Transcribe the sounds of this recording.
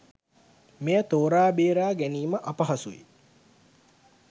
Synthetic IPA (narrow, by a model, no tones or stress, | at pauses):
mejət̪oːɾaːbeːɾaːɡæniːməʔɐpɐɦɐsuʋḭ